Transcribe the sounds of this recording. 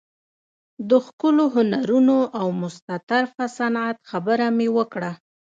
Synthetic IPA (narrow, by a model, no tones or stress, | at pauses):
d̪əxkəloɦʊnaɾunoʔawmʊst̪at̪aɾfasanat̪xabəɾamewəkɽa